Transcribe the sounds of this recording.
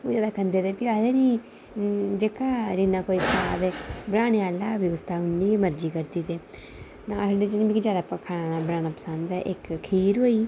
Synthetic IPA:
oːd͡ʒaːd̪aːkʰənd̪eːt̪eːpiaːd̪eːniː | d͡ʒekaːɾɪnãːkoːiːpəsaːd̪eːbəɾaːnẽaːlaːʋɪɡəst̪aːʊnːiːməɾd͡ʒiːkəɾt̪iːt̪eː | naːsəɖeːt͡ʃəd͡ʒbiːkid͡ʒjaːd̪aːpəkʰaːnãːnaːbɾãːnãːpə̥sə̃nd̪ɛʔɪkkʰiːɾɦoːiː

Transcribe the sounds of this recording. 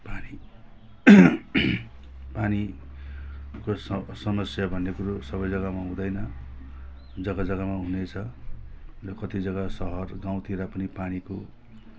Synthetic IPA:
pani | pani | kossʌmʌsjabʱʌnːekuɾosʌbʌjd͡zʌɡamaɦũd̪ʌjnʌ | d͡zʌɡad͡zʌɡamaɦunet͡sʰʌ | rʌkʌt̪id͡zʌɡasʌɦʌrɡaw̃t̪ʰiɾapʌnipaniko

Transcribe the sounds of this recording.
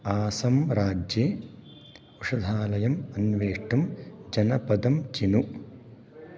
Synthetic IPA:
aːsɐmɾaːd͡ʒjeː | uʂɐd̪ʱaːlɐjɐmɐnʋeːʂʈɐmd͡ʒɐnɐpɐd̪ɐmt͡ʃinu

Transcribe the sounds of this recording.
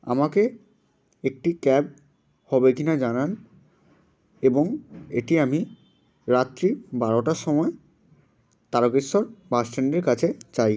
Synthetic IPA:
a̰make | ek̚ʈikɛb̚ | hɔbekinad͡ʑanan | eboŋḛʈiami | ɾat̪ːɾibaɾoʈaʃɔmɔe | t̪aɾokiʃɔɾbasʈeɳɖeɾkat͡ɕʰet͡ɕaj

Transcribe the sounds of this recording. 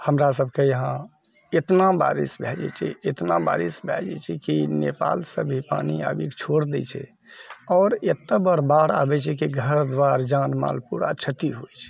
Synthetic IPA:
həmɾas̬əbʱkejəɦã | et̪naba̰ɾḭsbʱɛd͡ʒɛ̰t͡ʃʰɛ̰et̪naba̰ɾisbʱɛd͡ʒɛ̰t͡ʃʰɛkinepa̰lsəbʱipa̰nia̰bikt͡ʃʰoɽd̪ɛ̰t͡ʃʰɛ̰ | ɔːɾet̪ːəbəɾbaɽa̰bɛt͡ʃʰɛkiɡʱəɾd̪waɾd͡ʒanma̰lpuɾa̰t͡ʃʰət̪iɦojt͡ʃʰɛ̥

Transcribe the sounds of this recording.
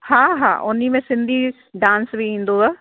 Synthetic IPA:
hãːɦã̰ːʔʊnːiːmẽːsɪnd̪iː | ɖãːnsbʱiĩːnd̪oːɡaː

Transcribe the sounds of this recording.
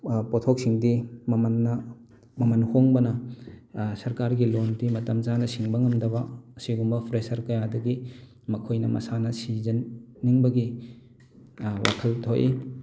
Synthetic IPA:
potʰok̚siŋdimmnːɐ | mɐmɐnhoŋbɐnɐ | sɐɾkaɾɡilontimɐtɐmt͡ʃanɐsiŋbɐŋɐmdɐbɐɐsiɡumbɐpʰɾesɐɾkɐjadɐɡi | mɐkʰojnɐmɐ̰sanɐsizɐnːiŋbɐɡi | wʔa̰kʰɐltʰoʔi

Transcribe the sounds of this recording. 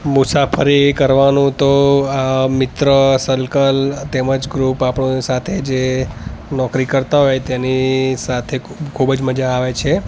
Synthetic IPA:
mʊsafʰəɾikəɾʋanũt̪oamɪt̪ɾəsəlkəlt̪eməd͡ʒɡɾupapɳsat̪ʰed͡ʒe | nɔkɾikəɾt̪aɦɔjet̪enisat̪ʰekʰubəd͡ʒməd͡ʒaːʋet͡ʃʰe

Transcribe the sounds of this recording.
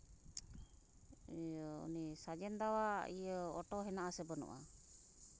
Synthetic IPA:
ṵnisad͡ʒɛnd̪awaijəɔ̰ʈɔɦɛnaʔasɛbənṵʔa̰

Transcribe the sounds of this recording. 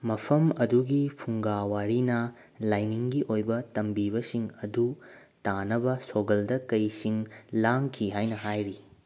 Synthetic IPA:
mɐpʰɐmɐduɡipʰuŋɡawaɾinɐ | lajniŋɡiʔojbɐtɐmbibɐsiŋɐdu | tanɐbɐsoɡɐldɐkɐjsiŋlaŋkʰiɦajnɐhajɾi

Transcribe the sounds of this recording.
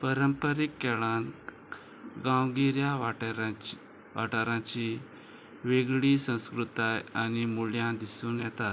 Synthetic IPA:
pəɾəmpəɾikːɛɭan | ɡãwɡiɾja | ʋaʈaɾãt͡ɕi | ʋeɡɭiːsə̃w̃skɾut̪ajanimuljãd̪isuːnjɛt̪at̪

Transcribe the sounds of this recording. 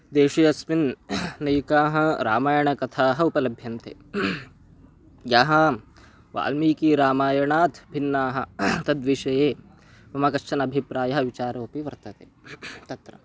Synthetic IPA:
d̪eːʃɐjɐsminnɐjukaːɦɐ̆ɾa̰ːmaːjɐɳɐkɐt̪ʰaːɦɐ̆upɐlɐbʱjɐnt̪ḛː | jaːɦɐ | ʋa̰ːlmiːkiːɾaːmaːjɐɳaːt̪ʰbʱinːaːɦɐ̆t̪ɐd̪ʋiʃɐjeː | mɐmɐkɐʃt͡ʃɐnɐbʱipɾaːjɐɦɐʋit͡ʃaːɾoːpiʋɐɾt̪ɐt̪eːt̪ɐt̪ɾɐ̰

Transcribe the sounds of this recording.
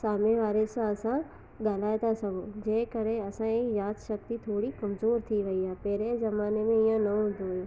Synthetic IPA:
saːmẽʋaːɾesaɐsã | ɠaːl̤aːet̪ʰasɐɡʱõd͡ʑeːkɐɾeɐsãejaːd̪ʃɐk̚t̪it̪ʰoːɽikɐmzoːɾt̪ʰiʋɐiaːɦepɛɦɾezɐmaːnemẽijə̃nɐ̃ʊ̃nd̪ʱoʋjũː

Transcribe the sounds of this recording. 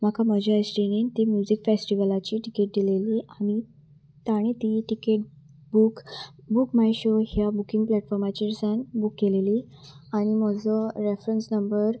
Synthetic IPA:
m̤akʰaməd͡ʑʱaəsʈiñint̪imjud͡ʑikfesʈiʋəlat͡ɕiːʈikeʈ̚d̪ileliːʔami | t̪aɽ̃et̪iʈikeʈ̚ | bukbukmajɕoɦjabukiŋɡplɛʈfɔɾmat͡ɕiɾsanbukːeleliː | aɽ̃im̤əd͡zəɾefɾənsnəmbəɾ

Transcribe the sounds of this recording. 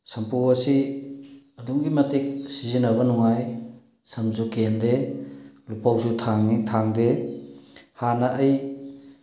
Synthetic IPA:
sɐmpuwɐsi | ɐduŋɡimɐtik̚sizinɐβɐnɔŋaj | sɐmzukende | lupawsutʰaŋitʰaŋde | hanaʔːj

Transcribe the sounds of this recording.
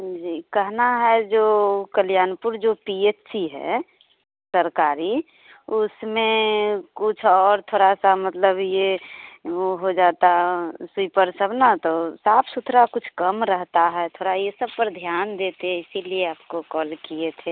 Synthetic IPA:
d͡ʒiːkəɦnaɦɛd͡ʒoːkəljaːnpuɾd͡ʒopiet͡ʃsiɦɛ̰ | səɾkaːɾi | ʊsmẽkʊt͡ʃʰɔːɾt̪ʰoːɾasamət̪ləbje | oɦod͡ʒaːt̪asipəɾsəbnat̪osaːpʰsʊt̪ʰɾakʊt͡ʃʰkəmɾəɦt̪aɦɛt̪ʰoːɽajesəb̚pəɾd̪ʱjaːnd̪et̪eɦɛɪsilieaːpkokɔːlkiet̪ʰe

